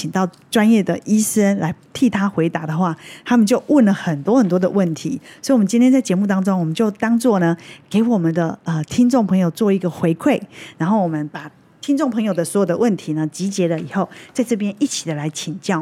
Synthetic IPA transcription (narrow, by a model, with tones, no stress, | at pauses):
i˨˩t̪ɑ˥˩ʊ | ʈ͡ʂwa˦˥njɛ˥˩d̪ə˩ʔi˥sə˦˥nla˧˥ɪt̪ʰi˥˩t̪ʰa˥xwe˧˥ɪt̪a˧˥˦d̪ə˨xwa˥˩t̪ʰa˥mə˨nt͡ɕjo˥˧ʊʔwə˥˩nlə˩xə˨˩nt̪wɔ˥xə˨˩nt̪wɔ˥d̪ə̰˨wə˥˩nt̪ʰḭ˨˦swi˨wmə˦nt͡ɕi˥nt̪ʰjɛ˥nt͡sa˥˩ɪt͡ɕjɛ˧˥mu˥˩t̪ɑ˥ŋʈ͡ʂʊ˥ŋwɔ˨˩mə˨˦nt͡ɕjo˥˩ʊt̪ɑ˥ŋt͡swɔ˥˩nə˩ke˧˥ɪwɔ˨˩mə˨nd̪ə˨ə˧t̪ʰi˥ŋʈ͡ʂŋpʰɤ˧˥ŋjo˨˩ʊt͡swɔ˥˧i˧˥ɡə˨xwe˧˥ɪkʰwe˥˩ɪɻa˧˥nxo˥˩ʊwɔ˨˩mə˦npa˨˩ | t̪ʰi˥ŋnʈ͡ʂŋpʰɤ˧˥ŋjo˨˩ʊd̪ə˩swɔ˧˥jo˨˩d̪ə˦wə˥˩nt̪ʰi˨˧˦nə˨t͡ɕi˧˥t͡ɕjɛ˧˥lə˧˨i˨˩xo˥˨ʊt͡sa˥˧ɪʈ͡ʂɤ˥˩p̬jɛ˥nʔi˥˩t͡ɕʰi˨˩d̪ə˩la˧˥ɪt͡ɕʰi˨˩nt͡ɕjɑ˥˩ʊ